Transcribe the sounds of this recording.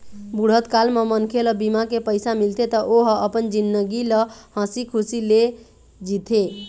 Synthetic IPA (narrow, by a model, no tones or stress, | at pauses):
buɽ̤ət̪kalmemənkʰeləbimakepəɪsamilt̪et̪ɔʔoɦəpənd͡ʒinːəɡiləhə̃sikʰusile | d͡ʒit̪ʰe